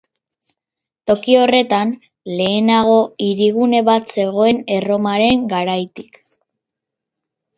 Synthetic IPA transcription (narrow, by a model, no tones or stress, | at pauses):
t̪o̞kio̞re̞t̪an | le̞ːnaɣ̞o̞iɾiɣune̞βat̪se̞ɣ̞o̞e̞ne̞ro̞maɾe̞ŋɡaɾajt̪i̥k